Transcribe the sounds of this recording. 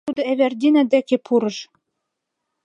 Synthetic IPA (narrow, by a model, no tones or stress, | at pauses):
ud̪ɤ̆æβærd̪ʲinæd̪ækʲepʰuɾɤ̆ʃ